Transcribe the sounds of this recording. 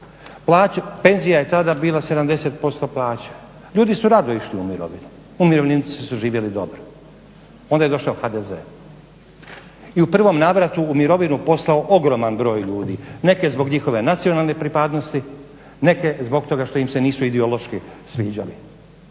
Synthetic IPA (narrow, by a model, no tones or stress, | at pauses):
plˠaːt͡ɕape̞nzijaje̞t̪ad̪abiːlˠase̞d̪amd̪e̞set̪̚po̞st̪o̞plaːt͡ɕḁ | ʎuːd̪isuɾad̪oiʃliumiɾo̰ʋḭnu | umiɾo̞ʋnint͡s̪isuʒiːʋjelid̪o̞̰bɾo | o̞nd̪aje̞d̪o̞ʃlaoxad̪eze̞̰u | iupr̩ʋo̞mnaːʋɾat̪uːmiɾo̞ʋinupo̞slˠao̞ʔoɡɾo̞manbɾo̞ːjʎuːd̪ḭne̞ke̞zbo̞ɡɲixo̞ʋe̞nat̪sio̞nalˠne̞pɾipad̪no̞st̪i | ne̞ke̞zbo̞ɡ̚t̪o̞ɡaʃt̪ojimse̞niːsuid̪ɛolˠo̞ʃkisʋiːd͡ʑa̰li